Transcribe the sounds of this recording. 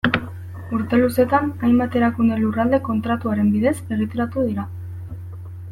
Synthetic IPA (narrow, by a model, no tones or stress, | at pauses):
uɾt̪e̞luse̞t̪anajmbat̪e̞ɾakund̪elurald̪e̞ko̞nt̪ɾat̪uaɾe̞mbiðe̞se̞ɣ̞it̪e̞ɾat̪uðiɾa